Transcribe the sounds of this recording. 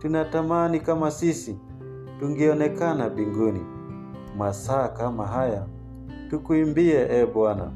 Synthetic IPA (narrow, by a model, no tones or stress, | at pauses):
tunatamanikamasisi | tuŋɡiɔnɛkanaɓiŋɡunḭ | masaːkamaɦaja | tukuimbiɛʔɛɓwana̰